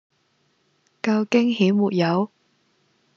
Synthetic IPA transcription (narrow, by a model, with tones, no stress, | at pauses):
kɐ˧wkɪ˥ŋɦiː˨˥wmuː˨˩t̚jɐ˨˧˥w